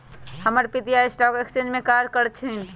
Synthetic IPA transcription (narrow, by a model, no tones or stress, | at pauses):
həməɾpit̪ijaisʈɔkeksinmekaɾkəɾt͡ʃʰin̆